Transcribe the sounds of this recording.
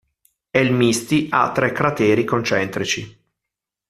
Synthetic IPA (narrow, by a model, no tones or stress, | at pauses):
ɛlmist̪ia̰t̪ːɾɛkːɾat̪ɛːɾikont͡ʃɛnt̪ɾit͡ʃi